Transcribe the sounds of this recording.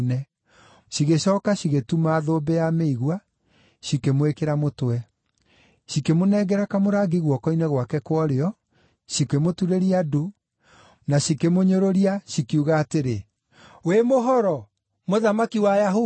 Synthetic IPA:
nɛ | ʃiɣeʃɔːkaɕiɣetumaːðobɛjameiɣwa | ɕikemwekeɾamotwɛ | ʃikemonɛɡɛɾakamoɾaːɡiɣwɔkɔinɛɣwakɛkwɔɾeɔ | ʃikemotuɾeɾiado | naɕikemoɲoɾoɾiaɕikiuɣaːteɾe | wemoɦɔɾɔ | moðamakiwajaɦo

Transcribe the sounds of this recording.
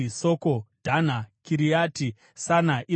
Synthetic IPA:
soːkodʱan̤akʰiɾijaːti | sanaʔi

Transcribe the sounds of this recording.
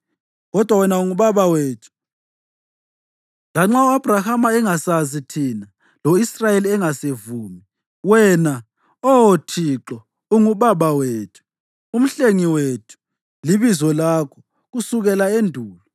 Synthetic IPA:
ɣɔd̥ʱwawɛnauŋuβaβaweːtʰu̥ | laŋ͡ǁauab̥ʱrahamaɛŋasazitʰina | loisrajeliɛŋasevuːmi | wɛna | ɔwotʰiǁɔ | uŋuβaβaweːtʰu̥ | um̩ɬeŋiwetʰu̥ | liβizɔlakʰɔ̥ | ɣusuɣɛlaendʱuːlɔ

